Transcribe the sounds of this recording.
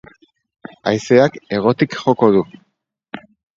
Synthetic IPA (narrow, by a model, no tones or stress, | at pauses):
a̰jseake̞ɣ̞o̞t̪ikxo̞ko̞ðu